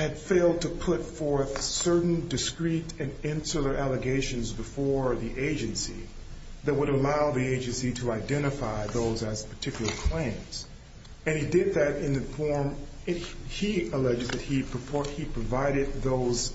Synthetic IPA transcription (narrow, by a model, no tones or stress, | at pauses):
hɨd̥feɪlˠd̚tʰɨpʰʊtfɔɹθsɜ˞ʔn̩dɨskɹiɾɨ̃nɪ̃nsəl̩ˠə˞ʔælˠəɡeɪʃɨ̃nzbɨfɔɹðiʔeɪd͡ʒɨ̃nsḭ | ðɨt̚wəɾəlaʊðieɪd͡ʒɨ̃nsiɾɨaɪdɛ̃ɾ̃ɨfaɪðoʊzɨz̥pʰə̥˞tʰɪkjl̩ˠə˞kʰl̥ẽɪ̃mz̥ | ɨ̃nidɪd̪̚ðɨɾɪ̃nðɨfɔɹm | iəlɛd͡ʒɨzðɨt̚hipʰəpʰɔɹ̚hipʰɹ̥ɨvaɪɾɨd̪̚ðoʊz̥